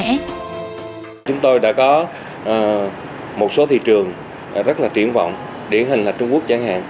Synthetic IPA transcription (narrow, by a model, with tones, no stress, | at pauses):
ɛ˧˥ | t͡ɕʊ˨˦ŋ͡mt̪o˧jɗa̰ː˧˥kɔ˨˦ | ʔː | mo˨˩t̚so˨˦t̪ʰḭ˧˨t͡ɕɨ˨˩əŋ | zə˦˥laː˨˩t͡ɕi˧˩ənvɔ̰˧˨wŋ͡m | ɗie˧˩˦nɦï˨˩ŋ̟laː˨˩t͡ɕʊ˧ŋ͡mku˦˥ək̚t͡ɕaː˧˩ŋha̰ː˧˨n